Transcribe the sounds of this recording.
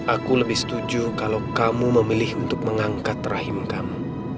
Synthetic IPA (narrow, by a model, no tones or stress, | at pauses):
ʔakuləbɪhsə̥t̪ud͡ʒukalawkamuməmilɪhunt̪ʊk̚məŋaŋkat̪rahɪmkamu